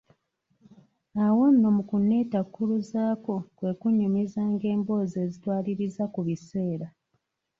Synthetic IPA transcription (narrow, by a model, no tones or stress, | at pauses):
awo̞nːo̞mukunːe̞ːtakːuluzaːko̞kwe̞kuɲːumizaːŋɡe̞ːmbo̞ːze̞ːzitwaːliɾizakuβise̞ːɾa